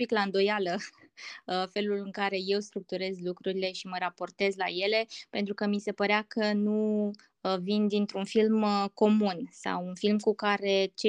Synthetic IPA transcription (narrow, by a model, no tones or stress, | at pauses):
piklaɨnd̪o̞jalə | əfe̞lulɨŋkaɾe̞je̞wst̪ɾuk̚t̪uɾe̞zlukɾuɾile̞ʃiməɾapo̞rt̪e̞zla̰je̞le̞pe̞nt̪ɾukəmise̞pəɾeakʰənu | vind̪int̪ɾunfilməko̞munsa̰wunfilmkukaɾe̞t͡ʃe